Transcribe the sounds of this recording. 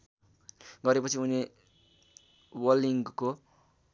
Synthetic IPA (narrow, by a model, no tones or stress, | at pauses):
ɡʌɾepʌt͡sʰiune | wʌliŋɡko